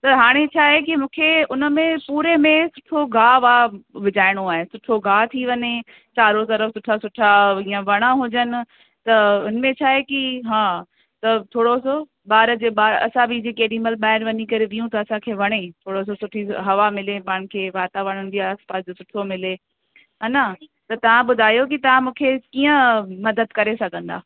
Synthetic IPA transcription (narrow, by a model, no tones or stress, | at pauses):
t̪ɐɦaːɽ̃et͡ɕʰaːɦekimũːkʰeʊnəmẽpuːɾemẽsʊʈʰoɡʱaːʋaːʋɪd͡ʑaːɪɽ̃oaːɦesʊʈʰoɡaːt̪ʰiʋɐɲe | t͡ɕaːɾot̪ɐɾəfsʊʈʰasʊʈʰaiːãʋɐɽ̃aɦʊd͡ʑənɪ̆ | t̪ɐʊnmẽt͡ɕʰaːɦekiɦãː | t̪ɐt̪ʰoːɽoso | ɓaːɾd͡ʑeːɓaːɾɐ̰sãbɪd͡ʑekeːɗĩməlɓaːɪɽʋɐɲikɐɾeʋijũt̪ɐːsãkʰeːʋɐɽ̃et̪ʰoːɽos̬osʊʈʰiɦɐʋamɪlepaːɪɽ̃kʰeːʋaːt̪aʋɐɽ̃ənɪ̆d͡ʑiːaːspaːsd͡ʑosʊʈʰomɪle | ɦɐnat̪ɐt̪ɐʋ̤ãbʊd̪ʱaːjok̬it̪ɐʋ̤ãmũːkʰekiːə̃mɐd̪əd̪kɐɾesɐɡʱə̃nd̪a̰ː